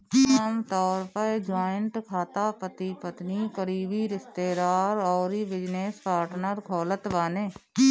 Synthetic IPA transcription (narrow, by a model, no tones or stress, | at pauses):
aːmt̪ɔːɾpəɾd͡ʒaːɪə̃ɳʈkʰaːt̪apət̪ipət̪nikəɾiːbiɾɪst̪eːɾaːɾɔːɾibɪd͡ʒneːspaːɾʈnəɾkʰɔːlət̪ʋaːneː